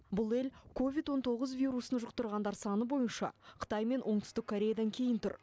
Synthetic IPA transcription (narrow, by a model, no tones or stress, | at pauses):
bʊlˠe̞lkʰo̞vʲit̪wo̞nt̪ʰo̞ʁəzvʲijɾusənʒəqt̪əɾʁɑnd̪ɑɾsɑnəbo̞jənʃɑ̰qʰə̥t̪ɑjme̞nwʔo̞ɴt̪ʰʏ̥st̪ɪkʰːo̞ɾʲe̞jad̪ɑŋkʲʰe̞jɪnt̪ʰʏɾ